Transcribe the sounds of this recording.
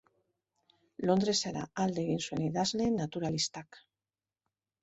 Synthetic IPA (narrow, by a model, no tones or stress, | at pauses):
lo̞nd̪ɾeseɾa̰ald̪eɣinsweniðazlenːat̪uɾalist̪ak